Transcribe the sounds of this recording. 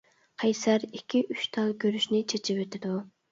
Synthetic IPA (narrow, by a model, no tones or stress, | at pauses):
qʰɛjsæɾikʲʰːiʔyʃt̪ʰɑlˠɡʲøɾyʃnɪt͡ʃʰet͡ʃʰɪpøt̪ʰɪd̪u